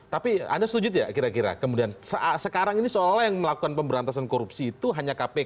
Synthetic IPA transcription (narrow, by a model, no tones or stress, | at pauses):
t̪apia̰ndasət̪ud͡ʒʊt̪̬̚ja̰kiɾakiɾa̰kəmudiansəʔasəkaɾaŋinisoolajaŋməlakukanpəmbəɾant̪asankoɾupsiːt̪uɦaɲakape